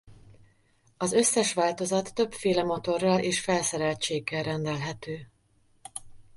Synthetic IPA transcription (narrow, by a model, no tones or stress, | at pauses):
ɒzø̞sːɛʃʋaːlt̪o̞zɒt̪ːø̞bfeːlɛmo̞t̪o̞rːɒlʔeːʃfɛlsɛɾɛlt͡ʃeːɡːɛlrɛnd̪ɛlɦɛt̪øː